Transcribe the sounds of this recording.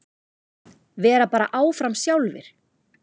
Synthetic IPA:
vɛːɾapaːɾaʔaːwfɾamsjawlvɪ̰ɾ̥

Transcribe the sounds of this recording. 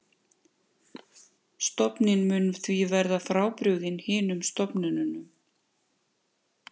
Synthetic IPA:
st̪ɔpnɪnmʏnθvivɛɾðafɾaːwpɾʏɣðɪnhɪːnʏmst̪ɔpnʏnʏnʏm

